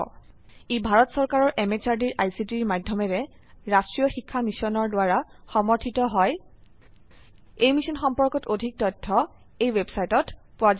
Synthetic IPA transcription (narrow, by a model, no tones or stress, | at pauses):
ibʱaɹɔtsɔɹkaɹɔɹʔɛmet͡ʃaɹdiɹʔajsitiɹmadʱjɔmɛɹɛ | ɹastɹijɔxikʰːamisɔnɔɹdwaɹaxɔmɔɹtʰitɔɦɔj | ejmisɔnxɔmpɔɹkɔtodʱik̚tɔtʰːɔ | ejwebsajtɔt | pʊaz